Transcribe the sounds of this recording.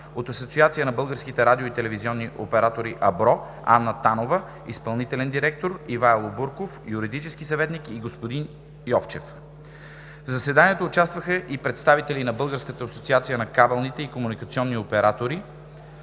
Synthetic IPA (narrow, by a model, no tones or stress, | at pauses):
ot̪ɐsot̪siat̪sijənɐbɤlˠɡəɾskit̪ɛɾad̪ʲioit̪ɛlɛviziɔnːiʔopɛɾat̪oɾiʔɐbɾɔ | a̰nːət̪anovə | ḭspɐlˠnit̪ɛlɛnd̪iɾɛk̚t̪oɾivajlˠobuɾkofjuɾid̪it͡ʃɛskisɐvɛt̪nikiɡospod̪in | jɔft͡ʃɛf | vzɐsɛd̪aniɛt̪oːt͡ʃast̪vəxəʔipɾɛt̪st̪avit̪ɛlinɐbɤlˠɡəɾskət̪əɐsot̪siat̪sijənɐkabɛlˠnit̪ɛikomunikɐt̪siɔnːiopɛɾat̪oɾi